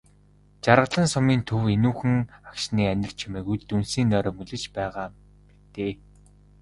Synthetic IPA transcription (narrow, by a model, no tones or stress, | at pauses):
t͡ɕaɾə̆ɮə̆nsʊmiːnt̪ʰɵwenuːxɘ̆ŋakʃ̆niːænʲɪ̆r̥t͡ɕʰimeːkuɮt̪unsiːnːœːɾœːmɵɮɘ̆t͡ɕpæːʁaː | mit̪eː